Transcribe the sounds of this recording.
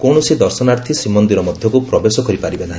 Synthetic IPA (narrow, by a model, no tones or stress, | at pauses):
koɳ̃ɔsid̪ɔɾsɔnaɾt̪ʰisimɔnd̪iɾɔmɔd̪ʱjɔkupɾɔbesɔkɔɾipaɾibenaɦĩ